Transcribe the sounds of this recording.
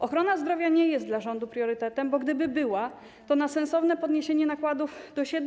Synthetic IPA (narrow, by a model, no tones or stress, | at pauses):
ɔxɾɔnazd̪ɾɔvʲjaɲɛjɛst̪d̪laʐɔnd̪upɾʲjɔɾɘt̪ɛt̪ɛmbɔɡd̪ɘbɘbɘwa | t̪ɔnasɛnsɔvnɛpɔd̪ɲeɕeɲɛnakwad̪uvd̪̥ɔɕɛd̪